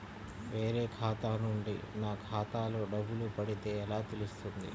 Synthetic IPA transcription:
ʋe̞ːɾe̞ːkʰaːt̪aːnuɳɖḭnaːkʰaːt̪aːlo̞ːɖɐbːulupɐɽit̪e̞ːɛlaːt̪ilust̪und̪ḭ

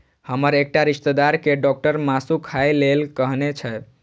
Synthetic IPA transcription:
həməɾek̚ʈaɾiʃt̪əd̪aɾkeɖɔk̚ʈəɾmasukʰajlelkəɦnet͡ʃʰə

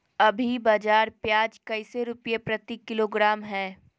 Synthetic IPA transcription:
ɐbʱibaːd͡ʒaːɾpjaːd͡ʒkɐɪseɾʊpjepɾɐt̪ikːɪloːɡɾaːmɦɛː

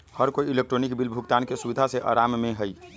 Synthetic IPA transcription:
həɾkoiilek̚ʈɾoːnikbilbʱʊkt̪aːnkesuʋid̪ʱaseʔa̰ːɾaːmmẽɦəi

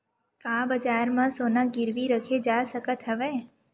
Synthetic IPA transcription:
kãbəd͡ʒaɾmãsonãɡɪɾʋiɾəkʰed͡ʒasəkət̪ɦəʋe

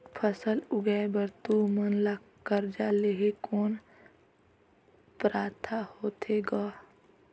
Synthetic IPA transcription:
pʰəsəlʊɡɛebəɾt̪umənla | kəɾd͡ʒaːleɦekoːn | pɾaːt̪ʰahoːt̪ʰeɡaː

